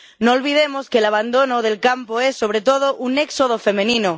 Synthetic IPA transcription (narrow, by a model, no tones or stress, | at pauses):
noːlβ̞ið̞emoskelaβ̞and̪o̞noðe̞lkampoesːo̞β̞ɾet̪oð̞oʔuneksoð̞ofe̞mẽnĩno